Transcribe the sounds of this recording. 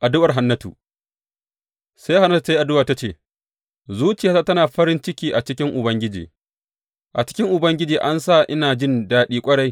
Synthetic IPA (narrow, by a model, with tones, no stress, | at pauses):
ʔa˨dʊ˦wɐ˨rɦa˨nːɐ˦tṵ˨ | sa˦jɦa˨nːɐ˦tu˨sa˦ʔa˨dʊ˦waː˨ta˦t͡ʃeː˦˨ | zuː˦t͡ʃɪ˨jaː˦ta˦tɐ˦naː˨ɸɐ˦ɾɪ˦nt͡ʃɪ˦kʲiː˦ʔa˨t͡ʃɪ˦k̬ʲɪ˦ŋʔʊ˨bɐ˦ŋɡʲɪ˦d͡ʒḭː˨ | ʔa˨t͡ʃɪ̥˦kʲɪ˦ŋʔʊ˨bɐ˦ŋɡʲɪ˦d͡ʒiː˨ʔa˦nsa˦˨ʔɪ˦naː˨d͡ʒɪ˦ndaː˦ɗiː˦kʷʼɐ˦ɽa˦j